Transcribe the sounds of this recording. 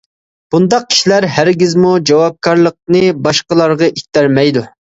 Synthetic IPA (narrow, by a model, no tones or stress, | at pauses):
b̥und̪ɑq̚kʰʲi̥ʃilæɾɦæɾɡʲizmud͡ʒɑwɑp̚kʰɑɾlˠəq̚nɨbɑʃqəlˠɑɾʁɑʔit̪ːæɾmɛjd̪u